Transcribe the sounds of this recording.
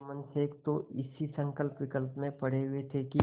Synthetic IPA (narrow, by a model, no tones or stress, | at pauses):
mənseːkt̪oɪsisə̃ŋkəlpʋɪkəlpmẽpɐɽ̤eɦʊet̪ʰeki